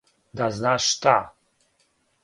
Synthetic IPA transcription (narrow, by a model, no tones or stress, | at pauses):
d̪aznaʂt̪a